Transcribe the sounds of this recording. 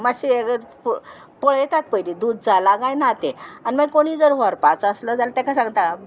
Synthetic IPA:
maɕieɡə | pɔɭjet̪at̪̚pəilid̪ud̪̚d͡zalaɡãjnat̪ẽaniməɡkoɽ̃iːd͡zəɾʋɔɾpat͡sə̃sləd͡zalat̪ɛ̃kʰasãŋɡt̪a

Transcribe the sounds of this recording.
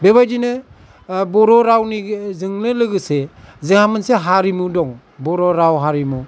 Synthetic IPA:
beβajd͡ʒinɯ | bɔɾɔɾawnizɯŋnɯlɯɡɯsezɯŋhamɯnseɦaɾimudɔŋ | bɔɾɔɾawɦaɾimu

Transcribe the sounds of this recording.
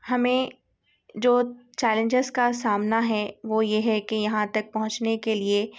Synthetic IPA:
hɐmẽ | d͡ʒoːt͡ʃɛːlə̃ɲd͡ʒɪzkasaːmnaɦɛʋojeɦɛkejɐɦãt̪ɐk̚pɐɦʊ̃t͡ʃnekelie

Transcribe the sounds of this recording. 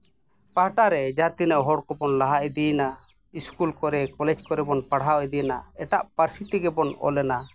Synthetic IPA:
paɦʈaɾɛd͡ʒat̪inəʔɦɔɽkɔbɔnlaɦaʔɛd̪ina | iskulkɔɾɛkɔlɛd͡ʒkɔɾɛbɔnpaɽ̤awɛd̪ijnaɛʈaʔpəɾsit̪iɡɛbɔnɔ̰lɛna

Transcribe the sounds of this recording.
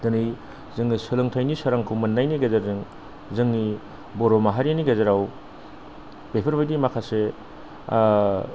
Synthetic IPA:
d̥ɯnɯj | zɯŋnisɯlɯŋtʰajnisaɾaŋkʰumɐnːajniɡazaɾzɯŋ | zɯŋni | boɾomaɦaɾeniɡazaɾaw | bepʰɯɾbajdimakʰase

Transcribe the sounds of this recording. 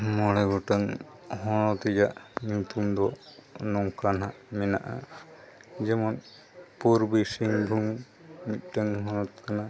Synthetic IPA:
mɔɽɛɡɔʈaŋ | ɦɔɽ̃ɔt̪ɛd͡ʒaʔɲut̪umd̪ɔnɔŋkanɦaʔmɛna̰ʔa | d͡ʒɛmɔn | puɾbisiŋbʱuŋ | mit̪̚ˀʈaŋɦɔnɔt̪̚kana

